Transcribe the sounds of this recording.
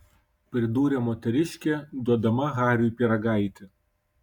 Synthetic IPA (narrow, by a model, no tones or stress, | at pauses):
pʲɾʲɪd̪uːɾʲeːmɔːt̪ʲɛɾʲɪʃʲkʲed̪uɔd̪ɐmɐɣɑːɾʲupʲiɾɐɡɑˑɪt̪ʲɪ